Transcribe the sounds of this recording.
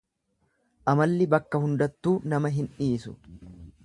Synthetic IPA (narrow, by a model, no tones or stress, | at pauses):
ʔɐmɐlːɪbɐkːɐhʊnd̪ɐt̪ːuːnɐmɐɦɪnᶑiːsʊ